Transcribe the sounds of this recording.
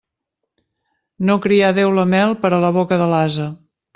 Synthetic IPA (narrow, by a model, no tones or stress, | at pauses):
nokɾiaðewləmɛlˠpəɾələβokəðəlazə